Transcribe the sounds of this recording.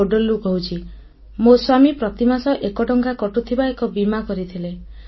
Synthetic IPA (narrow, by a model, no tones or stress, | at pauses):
oɖolukɔɦut͡ʃʰi | moswamipɾɔt̪imasɔʔekɔɖɔŋkakɔʈut̪ʰibaekɔbimakɔɾit̪ʰile